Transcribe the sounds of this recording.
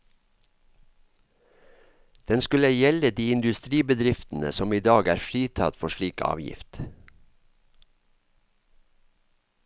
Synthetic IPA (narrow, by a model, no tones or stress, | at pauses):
d̪̥ɛnskʉləjɛləd̪iːɪnd̪ʉst̪ɾiːbəd̪ɾɪft̪n̩ə̰sɔmiːd̪ɑːɡæːɾfɾiːt̪ʰɑ̰t̪fɔʃɭiːkʰɑ̰ːʋjɪ̰ft̪